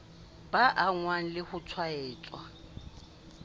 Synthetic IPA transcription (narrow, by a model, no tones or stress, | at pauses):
baʔaŋwan̩lɪhʊt͡sʰwaɛːt͡ʃʼwa